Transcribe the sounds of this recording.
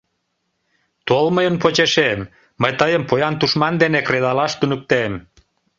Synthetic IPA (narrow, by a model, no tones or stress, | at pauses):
t̪olməjənpot͡ɕeʃemː | əjt̪əjəmpojɑnt̪uʃmɑnd̪enekreðɑlɑʃt̪unək̚t̪em